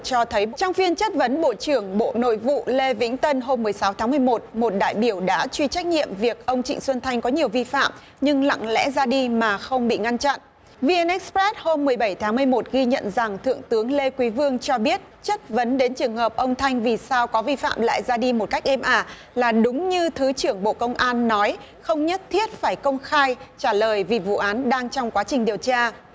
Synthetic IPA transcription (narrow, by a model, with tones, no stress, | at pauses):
t͡ɕɔ˧t̪ʰə˨˦jt͡ɕɔ˧wŋ͡mfi˧ənt͡ɕə˦˥t̚və˨˦nɓo̰˧˨t͡ɕɨ˨˩əŋɓo̰˧˨no̰˧˨jvṵ˧˨le˧vḭ˧˥ŋ̟t̪ə˧nɦo˧mːɨ˨˩əjsa˨˦wt̪ʰaː˨˦ŋmɨ˨˩əjmo˨˩t̚mo˨˩t̚ɗa̰ː˧˨jɓi˧˩əwɗa̰ː˧˥t͡ɕwi˧t͡ɕa˦˥k̟̚ɲḭ˧˨əmvi˨˩ək̚ʔə˧wŋ͡mt͡ɕḭ˧˨ŋswə˧nt̪ʰa˧jŋ̟kɔ˨˦ɲi˨˩əwvi˧fa̰ː˧˨m | ɲɨ˧ŋla̰˧˨ŋlɛ̰˧˥zaː˧ɗi˧maː˨˩xə˧wŋ͡mɓḭ˧˨ŋa˧nt͡ɕa̰˧˨nʔ | vi˧ʔɛ˧nʔɛ˦˥k̚spɛ˦˥t̚ho˧mːɨ˨˩əjɓə˧˩jt̪ʰaː˨˦ŋmɨ˨˩əjmo˨˩t̚ɣi˧ɲə̰˧˨nza˨˩ŋt̪ʰɨ̰˧˨əŋt̪ɨ˨˦əŋle˧kwi˨˦vɨ˧əŋt͡ɕɔ˧ɓi˦˥ət̚t͡ɕə˦˥t̚və˨˦nɗe˨˦nt͡ɕɨ˨˩əŋɦəː˨˩p̚ʔə˧wŋ͡mt̪ʰa˧jŋ̟vi˨˩saː˧wkɔ˨˦vi˧fa̰ː˧˨mla̰ː˧˨jzaː˧ɗi˧mo˨˩t̚ka˦˥jk̟̚ʔɛ˧mʔaː˧˩ | laː˨˩ɗʊ˨˦ŋ͡mɲɨ˧t̪ʰɨ˨˦t͡ɕɨ˧˩əŋɓo̰˧˨kə˧wŋ͡mʔaː˧nːɔ˨˦j | xə˧wŋ͡mɲə˦˥t̚t̪ʰi˦˥ət̚faː˧˩jkə˧wŋ͡mxaː˧jt͡ɕaː˧˩ləː˨˩jvi˨˩vṵ˧˨ʔaː˨˦nɗaː˧ŋt͡ɕɔ˧wŋ͡mkwaː˨˦t͡ɕï˨˩ŋ̟ɗi˨˩əwt͡ɕaː˧